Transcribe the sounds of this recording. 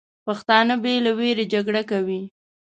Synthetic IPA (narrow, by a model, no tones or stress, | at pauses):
paxt̪ɑnəbelaweɾed͡ʒaɡɽakawi